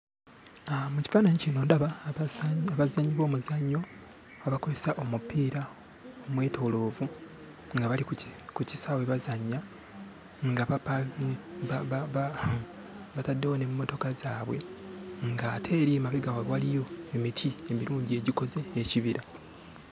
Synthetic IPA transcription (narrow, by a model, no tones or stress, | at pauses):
amuci̥faːnaɲecino̞ndaβa | aβazaɲːiβo̞ːmuzaɲːo̞ | aβakozesaʔo̞mupːiːɾa | omwe̞ːtʰo̞lo̞ːvu | ŋɡaβalikuci̥saweβazaɲːa | ŋɡaβapa | βatadːewonemumo̞to̞kazaːβwe̞̰ŋɡaːtʰe̞ːɾiemaβeɡawawalijo̞e̞mitʰiemiɾuːɲɟie̞ɟiko̞ze̞ːciβiɾa